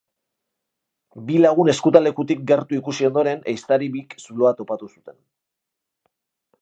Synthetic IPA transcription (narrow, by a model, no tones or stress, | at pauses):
bilaɣ̞une̞skut̪ale̞kut̪ik̚ɡe̞ɾt̪uikusio̞nd̪o̞ɾe̞nejst̪aɾiβiksulo̞at̪o̞pat̪usu̥t̪e̞n